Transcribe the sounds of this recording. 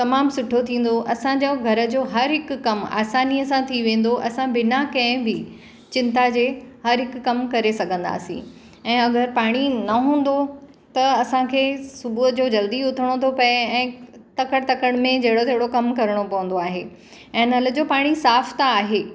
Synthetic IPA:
t̪ɐmaːmsʊʈʰot̪ʰĩːn̆d̪oʔɐsãd͡ʑoɡʱɐɾə̆d͡ʑoːɦɐɾɦɪkːɐma̰ːsaːnijəsãt̪ʰiʋẽːn̆d̪oʔɐsãbɪnakɐ̃ɦɪ̃bɪ | t͡ɕɪ̃nt̪ad͡ʑeːhɐɾɦɪkːɐmkɐɾesɐɡʱə̃nd̪a̰ːsḭ̃ | ɛ̃ːɐɡəɾpaːɽ̃inɐɦũːn̆d̪o | t̪ɐɐsãkʰeːsʊbuɦət̪d͡ʑoːd͡ʑɐld̪iʊt̪ʰəɽ̃ot̪ʰopɐeɛ̃ːt̪ɐkəɽt̪ɐkəɽ̃mẽd͡ʑɐɦɪɽot̪ɐɦɪɽokɐmkɐɾəɽ̃opɐʋə̃n̆d̪oaːɦeː | ɛ̃ːnɐlə̆d͡ʑoːpaːɽ̃isaːft̪aːɦeː

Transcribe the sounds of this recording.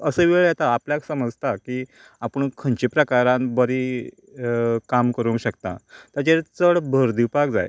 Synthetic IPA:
əsəːʋeɭjat̪aːpljaksəməd͡zt̪akiː | apəɳkʰənt͡ɕipɾəkaɾãnbəɾi | kamkəɾũŋkɕəkt̪ã̰t̪at͡ɕet͡səɽbʱəɾd̪iwpakd͡za̰j

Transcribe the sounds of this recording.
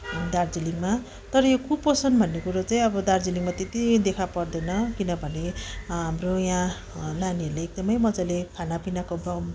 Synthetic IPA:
d̪ard͡ziliŋma | t̪ʌɾʌjokʰupposʌnbʱʌnːekuɾot͡saĩʌbʌd̪ard͡ziliŋmat̪et̪id̪ekʰapʌrd̪ʌjnʌkinʌbʱʌneɦamrojã | laniʌrleeɡ̚d̪ʌmʌjmʌd͡zalekʰanapinakobʌm

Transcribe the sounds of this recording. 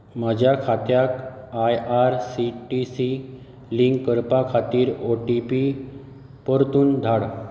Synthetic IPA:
mad͡ʑʱjakʰat̪jak | ajʔaɾsiʈisi | liŋɡːəɾpakʰat̪iːɾoʈipi | pəɾt̪uːnd̪ʱaɽ

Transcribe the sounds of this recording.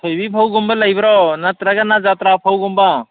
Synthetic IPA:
t̪ʰojbipʰawɡumbalajbaɾɔnat̪ɾaɡanad͡ʒat̪ɾapʰawɡumba

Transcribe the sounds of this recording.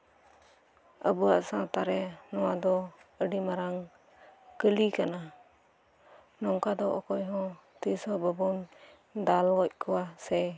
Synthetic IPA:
əbuaʔsãt̪aɾɛnɔwad̪ɔəɖimaɾaŋ | kəlikana | nɔŋkad̪ɔʔɔkɔjɦɔ̃ | t̪isɔbəbun | d̪alɡɔc̚ˀkɔwasɛ

